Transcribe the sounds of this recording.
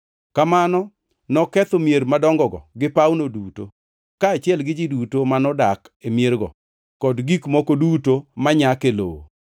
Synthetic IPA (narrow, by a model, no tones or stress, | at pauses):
kamanɔ | nɔkɛt̪omjeɾmadɔŋɡɔɡɔ̰ɡɪpawnoduto | kaːt͡ʃɪɛlɡɪd͡ʒidutomanɔdak | emjerɡɔ̰ | kɔdɡikmɔkodutomaɲakelo̰o̰